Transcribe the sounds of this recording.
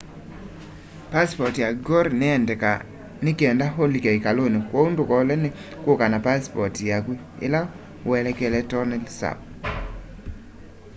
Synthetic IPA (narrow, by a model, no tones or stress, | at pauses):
paspɔtjaɡɔɾnɪɛndɛka | nɪkɛndaɦolikeikalonikwoundʊkɔlɛnɪ | kokanapaspɔtjaɡwi | ɪ̰la | wɛlɛkɛlɛtɔnɛlsa̰b̚